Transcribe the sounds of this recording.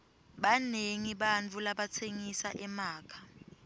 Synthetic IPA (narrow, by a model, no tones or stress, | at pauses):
ɓaneŋiɓant͡fʰulaɓat͡sʰeŋisaʔɛmaːkʰḁ